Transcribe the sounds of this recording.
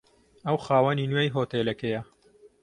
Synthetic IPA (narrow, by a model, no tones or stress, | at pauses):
ɐwxaːwɐninwejɦoːt̪eːlɐkejɐ